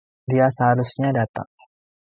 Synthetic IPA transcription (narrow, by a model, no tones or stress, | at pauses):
diasəɦaɾʊsɲadat̪a̰ŋ